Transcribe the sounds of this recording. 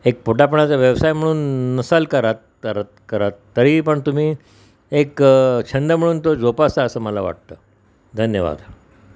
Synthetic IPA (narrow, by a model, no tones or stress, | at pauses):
ek̚poʈap̬əɳat͡saʋjəʋsajm̤əɽ̃uːnːəsalkəɾat̪ | əɾt̪kəɾat̪ːəɾiːpəɳt̪um̤iː | ekt͡ɕʰənd̪əm̤əɽuːnt̪od͡zopasaəsəːməlaʋa̰ʈ̚t̪əː | d̪ʱənjəʋa̰d̪